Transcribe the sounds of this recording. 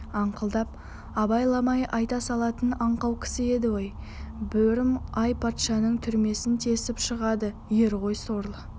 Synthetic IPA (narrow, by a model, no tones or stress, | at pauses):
ɑɴqəlˠd̪ɑp̚ | ɑbɑjlˠɑmɑjʔɑjt̪ɑsɑlˠɑt̪ənɑɴqɑwkʲʰɪ̥sɪe̞d̪ɪwoj | bɵɾɪmɑjpʰɑt̪ʃɑnəɴt̪ʰʏɾme̞sɪnt̪ʰe̞sɪpʃəʁɑd̪ə | je̞ɾʁo̞jsoɾlˠə